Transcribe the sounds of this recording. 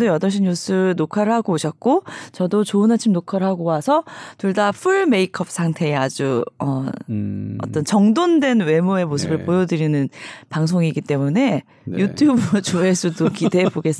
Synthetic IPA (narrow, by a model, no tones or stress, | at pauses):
dojʌdʌɭɕ̬ʰiɲus͈ʰɯnokʰaɾɯɭhaɡoːɕʰʌt̚k͈ot͡ɕʌdot͡ɕoɯnɦat͡ɕʰimnokʰaɾɯɭhaɡowasʰʌtuɭdapʰuɭme̞ikʰʌp̚s͈ʰaŋtʰe̞ːad͡ʑuʌ | ʌ̰t͈ʌnt͡ɕʌŋdondwe̞nwe̞mue̞mosʰɯbɯɭpojʌdɯɾinɯnpaŋs̬ʰoŋiɡit͈e̞mune̞ | jutʰjubɯɾot͡ɕoesʰudokide̞boɡe̞s͈